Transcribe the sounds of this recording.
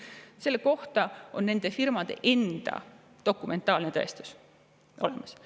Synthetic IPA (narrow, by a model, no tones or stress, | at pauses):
se̞lːeko̞ht̪ɑo̞nːe̞nd̪̥e̞firmɑd̪̥e̞̰ʔe̞nd̪̥ɑ̰ | d̪̥o̞kːˑume̞nt̪ːˑɑːlnet̪æ̰ˑest̪u̥s | ʔo̞̰lemɑs